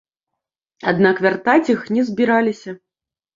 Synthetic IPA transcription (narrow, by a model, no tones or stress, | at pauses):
ad̪nakvʲart̪at͡sʲixnʲɛzʲbʲiɾalʲisʲɐ